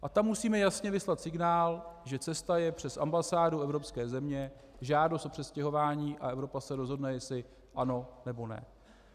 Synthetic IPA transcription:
ʔat̪amːusiːmɛjasɲɛvɪslat̪sɪɡnaːlʒɛt͡sɛst̪ajɛpr̝̥ɛsʔa̰mbasaːduʔɛvɾo̞pskɛːzɛmɲɛ | ʒaːdost̪or̝̥ɛscɛɦo̞vaːɲiːʔaʔɛvɾo̞pasɛɾo̞zɦo̞dnɛjɛslɪ | ʔano̞nɛbo̞nɛ̰

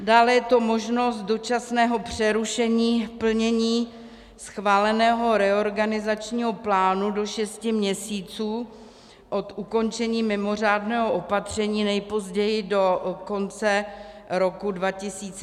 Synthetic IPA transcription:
daːlɛjɛt̪o̞mo̞ʒno̞st̪̚do̞t͡ʃasnɛːɦo̞pr̝̥ɛɾuʃɛɲiːpl̩ɲɛɲiː | sxvaːlɛnɛːɦo̞ɾɛo̞ɾɡanɪzat͡ʃɲiːɦo̞plaːnudo̞ʃɛscɪmɲɛsiːt͡suː | ʔo̞t̪ʔuko̞nt͡ʃɛɲiːmɪmo̞r̝aːdnɛːɦoʔopat̪r̝̥ɛɲiːnɛjpo̞zɟɛjɪdo̞ko̞nt͡sɛɾo̞kudvacɪsiːt͡s

